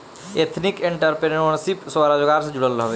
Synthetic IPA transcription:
et̪ʰnɪkẽɳʈəɾpeəɳsipswaːɾad͡ʒoɡaːɾsẽd͡ʒʊɽəlːɦʋe

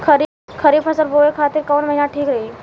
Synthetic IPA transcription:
kʰəɾi | kʰəɾiːpʰəsəɾboʋekʰat̪iːɾkəʋnməɦinaʈʰiːkɾəɦi

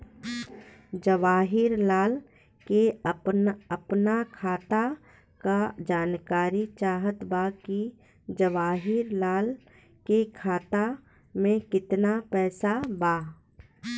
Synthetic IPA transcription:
d͡ʒəʋaːɦɪɾlaːl | keəpəpnakʰaːt̪a | kad͡ʒaːnkaːɾit͡ʃaːɦət̪baki | d͡ʒəʋaːɦɪɾlaːl | kekʰaːt̪a | mẽkɪt̪napɛːsabaː

